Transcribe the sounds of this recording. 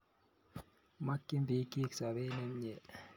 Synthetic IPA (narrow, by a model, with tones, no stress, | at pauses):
ma˦kːi˦mbi˨˦ki˦ksa˨βe˦ne˦mɲɛ˨